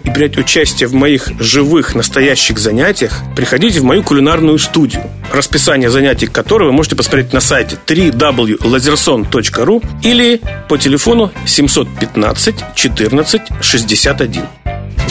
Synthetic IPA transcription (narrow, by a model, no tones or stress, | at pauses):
ɪbɾʲætʲʊt͡ɕæsʲtʲɪjəvmɐixʐɨvɨxnəst̪ɐjæɕːɪɣzɐnʲætʲɪjəxpɾʲɪxɐdʲitʲɪvmɐjukʊlʲɪnarnʊjʊst̪udʲɪjʊ̰ | rəspʲɪsanʲɪjəzɐnʲætʲɪjkɐt̪oɾɨjvɨmo̞ʐɨtʲɪpəsmɐt̪ʲɾʲetʲnɐsajtʲɪ̥t̪ɾʲid̪ablˠjʊlˠəzʲɪrso̞nt̪ot͡ɕkəɾuilʲɪpətʲɪlʲɪfo̞nʊsʲɪmso̞t̪̚pʲɪt̪na̰t̪sɨtʲt͡ɕɪt̪ɨrnət̪sɨtʲʂɨzʲdʲɪsʲat̪ɐdʲḭn